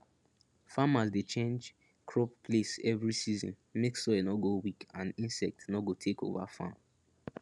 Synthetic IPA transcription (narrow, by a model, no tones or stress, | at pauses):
famasdet͡ʃẽnd͡ʒ | kʰɹɔppʰlesɛvɹisizɔ̰̃n | meksɔɛnɔɡowikãnĩnsɛk̚tnɔɡotʰeko̰va̰fã̰m